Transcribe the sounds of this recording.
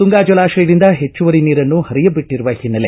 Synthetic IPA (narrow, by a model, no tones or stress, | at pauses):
t̪uŋɡaːd͡ʒɐlaːʃɐjɐɾind̪ɐɦe̞t͡ʃːuʋɐɾiniːɾɐnːuhɐɾijɐbiʈːiɾuʋɐhinːɐle